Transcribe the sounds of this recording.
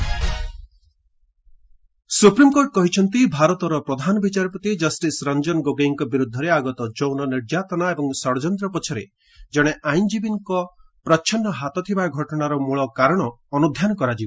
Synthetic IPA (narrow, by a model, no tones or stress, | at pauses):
supɾimkoɾʈɔkɔɦit͡ʃʰɔnt̪ibʱaɾɔt̪ɔɾɔpɾɔd̪ʱanɔbit͡ʃaɾɔpɔt̪id͡ʒɔsʈisɾɔnd͡ʒɔnɡoɡeŋkɔbiɾud̪ʱːɔɾeaɡɔt̪ɔd͡ʒownɔniɾd͡ʒat̪ɔnaebɔŋsɔɽd͡ʒɔnd̪ɾɔpɔt͡ʃʰɔɾḛ | d͡ʒɔɽ̃eʔajnd͡ʒibiŋkɔpɾɔːʃʰɔnːɔɦat̪ɔt̪ʰibaɡʱɔʈɔɽ̃aɾɔmuɭɔkaɾɔɽ̃ɔːnud̪ʱjanɔkɔɾad͡ʒibɔ